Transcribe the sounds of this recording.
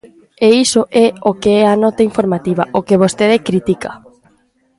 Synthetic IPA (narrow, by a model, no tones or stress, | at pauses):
eisoʔɛokeɛanɔt̪aiɱfoɾmat̪iβɐʔokeβost̪eðekɾit̪ikɐ̰